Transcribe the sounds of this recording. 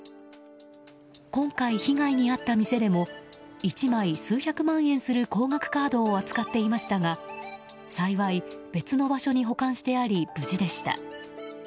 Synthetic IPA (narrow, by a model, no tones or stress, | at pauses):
kõ̞ŋkaiçiŋaiɲ̟iat̪ːamʲise̞d̪e̞mo̞ | it͡ɕimaisɨːçʲakɯ̟mãɰ̃ẽ̞ɰ̃sɨɾɯ̟ko̞ːŋakɯ̟̥kaːd̪o̞ːat͡sɨ̥kat̪ːe̞imaɕi̥t̪aŋa | saiβaib̥e̞t͡sɨno̞baɕo̞ɲ̟iɦo̞kãɰ̃ɕi̥t̪e̞aɾʲib̥ɯ̟d͡ʑid̪e̞ɕi̥t̪a̰